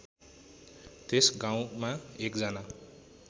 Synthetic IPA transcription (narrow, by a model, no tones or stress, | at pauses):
t̪esɡãw̃maekd͡zʌna